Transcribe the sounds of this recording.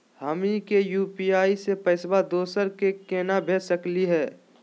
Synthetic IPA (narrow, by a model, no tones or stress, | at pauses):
həmikejuːpiaːisepəɪsbad̪oːsəɾkekeːnabʱeːsəkliɦɛː